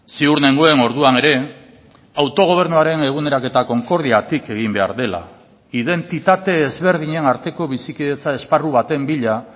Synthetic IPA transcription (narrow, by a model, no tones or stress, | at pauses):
siuɾne̞ŋɡoe̞no̞ɾðuane̞ɾe̞ | awt̪o̞ɣ̞o̞β̞e̞ɾnuaɾe̞ne̞ɣ̞une̞ɾake̞t̪ako̞ŋko̞ɾðiat̪ike̞ɣ̞imbe̞a̰ɾðe̞la̰ | iðe̞nt̪it̪at̪e̞ːzβe̞ɾðiɲe̞naɾt̪e̞ko̞βisikiðe̞t͡sae̞sparuβat̪e̞mbiʎa